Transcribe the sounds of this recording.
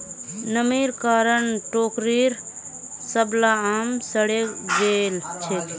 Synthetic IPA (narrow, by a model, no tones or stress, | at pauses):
nəmiːɾkaːɾənʈoːkɾiɾ | səblaaːmsəɽed͡ʒeːlt͡ʃʰet̪